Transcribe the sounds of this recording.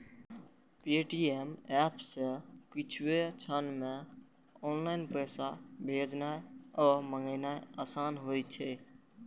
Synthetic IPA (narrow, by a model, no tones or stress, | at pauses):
peʈiemɛːpsekɪt͡ʃʰwet͡ʃʰənmẽ | ɔːnlaɪnpəsabʱeːd͡ʒnaɔːməŋɡəɪnaeaːsaːnɦojt͡ʃʰɛ